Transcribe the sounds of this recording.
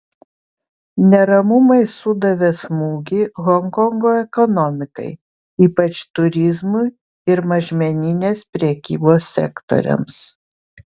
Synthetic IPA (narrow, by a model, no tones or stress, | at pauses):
nʲɛɾɐmʊmɐɪsʊd̪ɐʋʲesmuːɡʲɪɣɔŋkɔŋɡoːɛkɔnɔmʲɪkɐ̰ɪ | iːpɐt͡ʃt̪ʊɾʲɪzmʊ | ɪɾmɐʒʲmʲɛnʲɪnʲeːspʲɾʲɛkʲiːboːsːʲɛ̰kt̪o̰ɾʲɛ̰ms